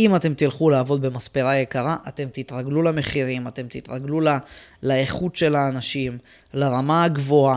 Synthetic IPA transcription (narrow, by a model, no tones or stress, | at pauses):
imat̪e̞mt̪ilχulaːvo̞d̪be̞maspeʁaje̞kaʁaʔat̪e̞mt̪it̪ʁaɡlulame̞χiʁimat̪e̞mt̪it̪ʁaɡlulalaeχut̪ʃe̞laːnaʃim | laʁamaɡvoa